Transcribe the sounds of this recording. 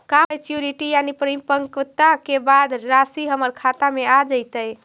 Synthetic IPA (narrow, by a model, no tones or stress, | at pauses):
kajt͡ʃjuɾiʈijanipɾimpəŋkt̪akebad̪ɾasiɦəməɾkʰat̪amead͡ʒəjt̪əj